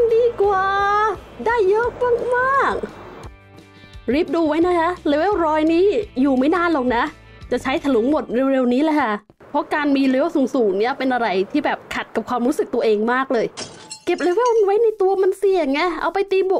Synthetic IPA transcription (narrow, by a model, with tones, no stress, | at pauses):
diː˧kwaː˨˩ | daː˥˩jːɤ˦˥k̚maː˥˩k̚maː˥˩k̚ | ɾi˦˥˩p̚duː˧wa˦˥jna˦˥kʰa˦˥le˧wwɾɔː˧jniː˦˥juː˨˩ma˥˩jnaː˧˥˩nloː˨˩ŋ̚na˦˥ | t͡ɕa˨˩t͡ɕʰa˦˥jt̪ʰa˧lu˨˩˦ŋmo˨˩t̪̚ɾe˧wɾe˧wniː˦˥lɛː˧˥˩kʰa˥˩ | pʰɔ˦˥kaː˧nmiː˧ɾe˧˦˥wsuː˨˩˦ŋsuː˨˩nni˥˩ɐpe˧nʔa˧ɾa˧jt̪ʰiː˥˩bɛː˨˩p̚kʰa˨˩t̪̚ka˨˩p̚kʰwaː˧mɾuː˦˥sɯ˨˩k̚t̪u˧ɐʔeː˧ŋmaː˥˩k̚lɤː˧j | ke˨˩p̚ɾe˧wɾe˧˥˩wwa˦˥jna˧jt̪u˧ɐma˧nsi˨˩ə˩ŋa˧˥˩ʔa̰˧wpa˧jt̪iː˧bo˨˩k̚